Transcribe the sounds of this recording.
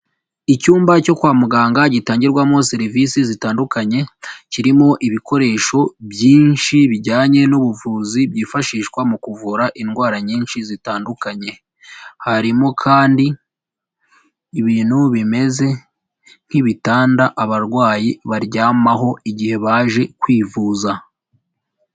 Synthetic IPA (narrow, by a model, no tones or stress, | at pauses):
icuːmbaco̞kwaːmuɡaːŋɡaɟitaːɲɟiɾɡwamŋoseɾiviːsizitaːndukaɲe̞ciɾimo̞ʔiβiko̞ɾe̞ːʃo̞bjiːnʃiβiɟaːɲe̞nuβuvuːzibjiːfaʃiːʃkwamukuvuɾaʔinɡwaːɾaɲiːnʃizitaːndukaɲe̞ | haɾimo̞kʰaːndi | βiːn̥huβime̞ze̞ | n̥hiβitaːndaʔaβaɾɡwaːjiβaɾɟaːmaɦo̞iɟihe̞βaːʒe̞kwiːvuːza